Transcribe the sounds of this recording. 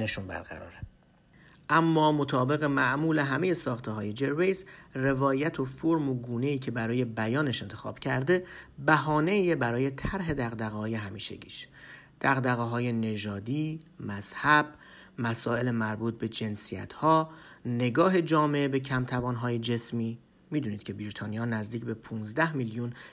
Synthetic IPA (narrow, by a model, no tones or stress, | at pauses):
neʃunbæ̰ɾɣæ̰ɾɒ̰ːɾe | ʔæmːɒːmo̞t̪ʰɒːbe̞ɣe̞mæʔmuːle̞ɦæmeje̞sɒːxt̪ʰeɦɒːje̞d͡ʒe̞ɾve̞jzre̞vɒːjæt̪ʰo̞foɾmoɡuːne̞iːcʰe̞bæɾɒːje̞bæjɒːneʃe̞nt̪ʰe̞xɒ̰ːb̥cʰæɾd̪e̞bæɦɒːne̞jebæɾɒːje̞t̪ʰæɾɦe̞d̪æɣd̪æɣːje̞ɦæmiːʃḛɟḭːʃ | d̪̥æɣd̪æɣeɦɒːje̞ne̞ʒɒːd̪iːmæz̥hæb̥ | mæsɒːe̞lemæɾbuːt̪̚be̞d͡ʒe̞nsijæ̰t̪ʰhɒːne̞ɡɒːɦe̞d͡ʒɒːme̞ʔebecʰæmt̪ʰævɒːnɦɒːje̞d͡ʒe̞smiː | miːd̪uːniːd̪̥cʰe̞biɾit̪ʰɒːnijɒːnæzd̪iːcʰbe̞pʰuːnzd̪æhmiljun